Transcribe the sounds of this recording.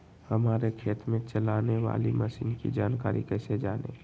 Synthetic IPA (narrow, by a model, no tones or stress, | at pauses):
həmaːɾekʰeːt̪mẽt͡ʃəlaːneʋa̰ːliməsiːnkḭd͡ʒaːnkaːɾḭkɛːsed͡ʒaːnḛ